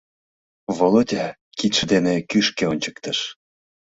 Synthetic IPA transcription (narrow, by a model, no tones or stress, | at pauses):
volˠod̪ʲa | kit̪ʃə̆d̪enekyʃkeonʲt͡ɕə̥k̚t̪ə̆ʃ